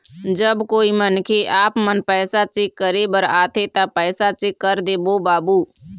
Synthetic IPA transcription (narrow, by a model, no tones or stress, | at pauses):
d͡ʒəbkoːimənkʰeʔaːpmənpɛːsat͡ʃɪkːəɾebəɾaːt̪ʰet̪apɛːsat͡ʃekːəɾd̪eːboːbaːbuː